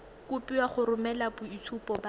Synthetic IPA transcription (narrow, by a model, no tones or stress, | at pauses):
kʊpiwaχʊɾʊmɛlabʊit͡sʰupʼɔba